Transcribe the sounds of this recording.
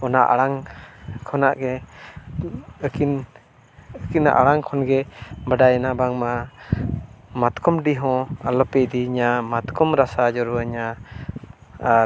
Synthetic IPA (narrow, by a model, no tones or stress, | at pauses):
ɔnaʔa̰ɽaŋkʰɔnaʔɡɛ | əkin | əkina̰ʔa̰ɽaŋkʰɔnɡɛbaɖajnabaŋma | mat̪kɔmɖiɦɔ̃alɔpɛd̪iɲamat̪kʰɔmɾasad͡ʒɔɾuəɲa